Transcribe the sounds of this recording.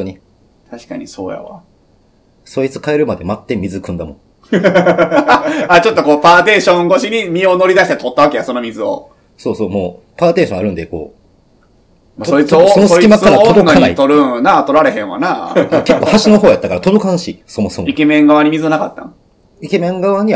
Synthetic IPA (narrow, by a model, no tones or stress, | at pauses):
oɲi | t̪ʰaɕi̥kaɲ̟iso̞̰ːja̰βa̰ | so̞it͡sɨ̥kaeɾɯ̟mad̪e̞mat̪ːe̞mʲizɨkɯ̟̃nd̪amõ̞ | at͡ɕo̞t̪ːokoːpaːt̪e̞ːɕõŋɡo̞ɕiɲ̟imʲiono̞ɾʲid̪aɕi̥t̪et̪ot̪ːaβakejaso̞nomʲizɨo̰ | so̞ːso̞ːmoː | paːt̪e̞ːɕõaɾɯ̟̃nd̪e̞ko̞̰ː | masoit͡ssonosikʲimakaɾat̪od̪okanait̪oɾɯnat̪o̞ɾaɾe̞ɦẽɰ̃a̰nakekːo̞ːhaɕino̞ɦoːjat̪ːakaɾat̪o̞d̪o̞kãnɕiso̞mo̞somike̞mẽ̞ŋɡaβaɲ̟imizɨnakat̪ːã̰ | ike̞mẽ̞ŋɡaβaɲ̟i